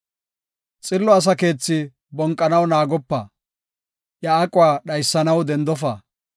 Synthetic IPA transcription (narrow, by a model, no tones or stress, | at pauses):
t͡sʼɪlːɔɐs̬ɐke̞ːt͡sːɪ | bɔŋkʼːɐnɐwnaːɡɔpːɐ | jɐːkʼʊwaːɗɐjsːɐnɐwd̪ɛnd̪ɔfaː